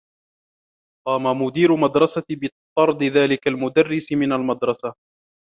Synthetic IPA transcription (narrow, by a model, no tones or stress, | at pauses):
qɑːmamʊd̪iːɾʊmad̪ɾˤɑsabɨt̪ˤːɑɾˤd̪ɪðaːlɪkalmʊd̪arːɪsɪmɪnalmad̪ɾˤɑsa